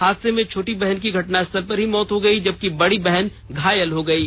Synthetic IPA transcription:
haːd̪semẽt͡ʃʰoːʈibɛɦənkiɡʱɐʈnaɪst̪ʰəlpɐɾɦimɔːt̪ɦoɡɐid͡ʒɐb̚kibɐɽibɛɦɛn | ɡʱaːjəlɦoɡɐiː

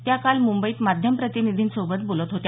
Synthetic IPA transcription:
t̪jakalmumbəiːt̪mad̪ʱjəmpɾət̪inid̪ʱiːnsobət̪̚bolət̪ɦot̪ja

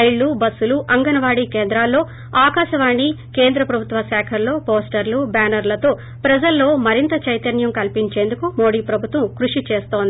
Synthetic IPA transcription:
ɐjɭːubɐsːuluʔɐŋɡɐnɐʋaːɽikeːnd̪ɾaːlːo̞ː | aːkaːʃɐʋaːɳːike̞ːnd̪ɾɐpɾɐbʱut̪ʋɐʃɛːkʰɐlːo̞ːpoːsʈɐɾlubaːnɐɾlɐt̪o̞ː | pɾɐd͡ʒɐlːo̞ːmɐɾint̪ɐt͡ʃɐjt̪ɐɳjɐmkɐlpiɲt͡ʃe̞ːnd̪ukumoːɽiːpɾɐbʱut̪ʋɐmkɾuʂit͡ʃe̞ːst̪oːnd̪i

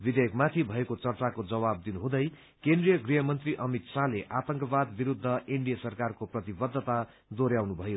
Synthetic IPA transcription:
bid̪ʱejkmat̪ʰibʱʌekot͡sʌrt͡sakod͡zʌwab̚d̪inuɦũd̪ʌj | kend̪rijʌɡriɦʌmʌnt̪riʔʌmit̪saleʔat̪ʌŋkʌbad̪biɾud̪ʱːʌʔeɳɖijʌsʌrkarkoprʌt̪ibʌd̪ʱːʌt̪a | d̪oɾjawnubʱʌjo

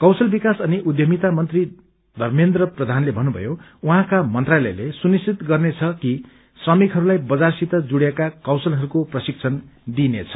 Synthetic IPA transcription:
kʌwsʌlbikasʌniʔud̪jʌmit̪amʌnt̪ri | d̪ʱʌrmend̪rʌprʌd̪ʱanlebʱʌnːubʱʌ̰jo | uɦãkamʌnt̪ralʌ̰jlesunisit̪ɡʌrnet͡sʰʌki | srʌmikɦʌɾulajbʌd͡zarsit̪ʌd͡zuɽjekakawsʌlɦʌɾukoprʌsik̚t͡sʰʌnd̪inet͡sʰʌ̥

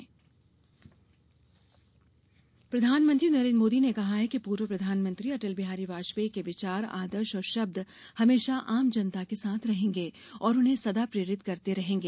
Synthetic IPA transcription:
pɾɐd̪ʱaːnmə̃nt̪ɾinɐɾẽːnɖɾmoːd̪inekɐɦaɦɛkipuːɾʋəpɾɐd̪ʱaːnmə̃nt̪ɾiɐʈəlbɪɦaːɾiʋaːʃʋekeʋɪt͡ʃaːɾa̰ːd̪əɾʃɔːɾʃɐb̚d̪ʱ | hɐmeːʃaʔaːmd͡ʒɐnt̪akesaːt̪ʰɾɐɦẽːŋɡe | ɔːɾʊnɦẽsɐd̪apɾeːɾɪt̪kɐɾt̪eɾɐɦẽːŋɡeː

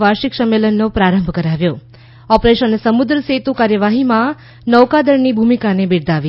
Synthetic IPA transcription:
ʋaɾʃiksəmːelənːopɾaɾə̃mbʱkəɾaʋjo | ɔpɾeʃənesəmʊd̪ɾəset̪ukaɾjəʋaɦimã | nəʋkad̪əɾnibʱumikanebiɾd̪aʋi

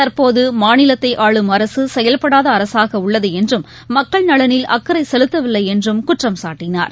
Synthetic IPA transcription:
t̪ɐɾpoːðɯmaːnɪlɐt̪ːɐɪʔaːɭɯmɐɾɐsɯsɛjɐlpɐɽaːðɐːɾɐsaːɣɐʊɭːɐðɯɛndrɯmː | ɐkːɐɭnɐɭɐnɪlɐ̰kːɯɾɐɪsɛlɯt̪ːɐʋɪlːɐɪɛndrɯmkʊʈrɐmsaːʈːɪna̰ːɾ

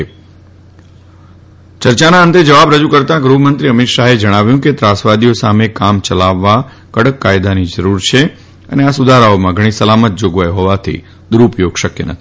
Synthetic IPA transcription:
t͡ʃəɾt͡ʃanaənt̪ed͡ʒəʋabɾəd͡ʒukəɾt̪ãɡɾuɦmənt̪ɾiəmit̪ʃaɦed͡ʒəɽ̃aʋjũket̪ɾasʋad̪ijosamekamt͡ʃəlaʋːa | kəɽəkːajd̪anid͡ʒəɾuɾt͡ʃʰe | ə̰neasʊd̪ʱaɾaomãɡʱəɽ̃isəlamət̪̚d͡ʒoɡʋajɦoʋat̪ʰḭ | d̪uɾupjoɡʃəkjḛnə̰t̪ʰii̥

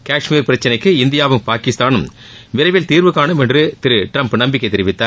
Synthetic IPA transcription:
kaːʂmiːɾpɪɾɐt͡ʃːɐnɐɪkːɯɪnd̪ɪjaːʋɯmpaːkɪst̪aːnɯm | ʋɪɾɐɪʋɪlt̪iːɾʋɯkːaːnɯmɛndrɯt̪ɪɾɯʈɾɐmpnɐmbɪkːɐɪt̪ɛɾɪʋɪt̪ːaːɾ

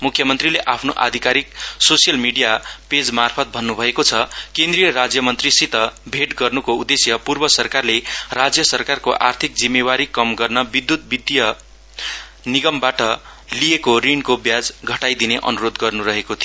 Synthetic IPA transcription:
mukʰːjʌmʌnt̪rileʔapʰnoʔa̰d̪ʱikaɾik̚sosijʌlmiɽijaped͡zmarpʰʌt̪̚bʱʌnːubʱʌekot͡sʰʌkẽnd̪rijʌɾad͡zjʌmʌnt̪risit̪ʌbʱeʈɡʌrnukoud̪esjʌpurbʌsʌrkarlerad͡zjʌsʌrkarkoʔa̰rt̪ʰik̚d͡zimːewaɾikːʌmɡʌrnʌbid̪jut̪̚bid̪jʌ | niɡʌmbaʈʌlijekorinkobjad͡zɡʱʌʈajd̪ineʔʌ̰nuɾod̪ɡʌrnuɾʌɦekot̪ʰijo

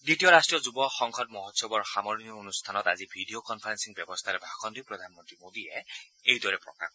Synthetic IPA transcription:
ditijɔɾastʈɹijɔzubɔxɔŋkʰɔt̚mɔɦɔt̪sɔbɔɹxamɔɹniɔonust̪ʰanɔt̪azibʱiɖiokɔnpʰaɾensiŋbjɔbɔst̪ʰaɾɛbʱakʰɔnd̪ipɹɔd̪ʱanmɔnt̪ɹimod̪iɛejd̪wɔɹɛpɹɔ̰ka̰

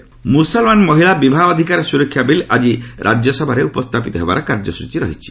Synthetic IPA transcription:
musɔlmanmɔɦiɭabibʱaɔd̪ʱikaɾesuɾɔkʰːjabilʔad͡ʒiɾʔa̰d͡ʒjɔsɔbʱaɾeupɔst̪ʰapit̪ɔɦeba̰ɾɔkaɾd͡ʒɔsut͡ʃiɾɔ̰ɦit͡ʃʰi̥

